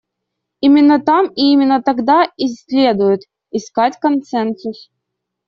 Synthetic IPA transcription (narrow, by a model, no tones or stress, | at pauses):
imʲɪnːət̪amiimʲɪnːət̪ɐɡd̪aɪsʲlʲe̞d̪ʊjʊt̪ | ɪskatʲkɐnt̪sɛnsʊs